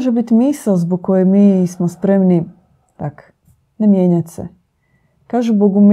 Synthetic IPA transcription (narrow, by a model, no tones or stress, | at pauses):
ʒebit̪imiːsalzboɡ̚kːojemiːsmospɾemni | t̪ak | nemjeːɲat̪ʲsḛ | kaːʒuboɡum